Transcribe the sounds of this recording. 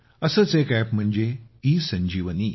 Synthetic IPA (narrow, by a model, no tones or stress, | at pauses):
əsəːt͡sekɛpm̤əɳd͡ʑeisəɲd͡ʑiːʋəniː